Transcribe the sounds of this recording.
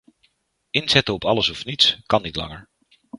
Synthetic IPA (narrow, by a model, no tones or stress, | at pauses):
ɪnz̥ɛtəɔpɑləsɔfnitskɑnːitlɑ̰ŋəɹ